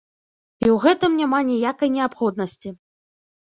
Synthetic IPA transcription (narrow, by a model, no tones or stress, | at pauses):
iwɣɛt̪ɨmnʲamanʲijakɐjnʲɛapxɔd̪nɐsʲt͡sʲi